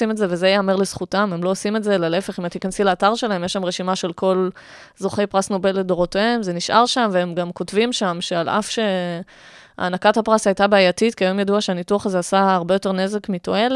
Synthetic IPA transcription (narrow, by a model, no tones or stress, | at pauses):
imetzevezejaːmeʁlezχutame̞mlo̞ːsime̞tzelale̞fe̞χimat̪ːikansilaːtaʁʃe̞laɦe̞mjeʃamʁeʃimaʃe̞lko̞l | zoχe̞jpʁasno̞be̞lːedo̞ʁoteemze̞niʃʔa̰ʁʃamveemɡamko̞tvimʃamʃe̞alʔa̰fʃe̞ | a̰ːnakathapʁasajtabeajatitkiajomjaduaʃeanituaχazeasaːʁbejo̞te̞ʁne̞ze̞kmito̞e̞l